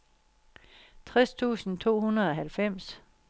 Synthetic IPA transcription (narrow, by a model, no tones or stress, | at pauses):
t͡sʰʁɛst͡sʰṵːsn̩t͡sʰo̝̰ːhunɐð̞̩ˠɒ̽ɦælfem̰s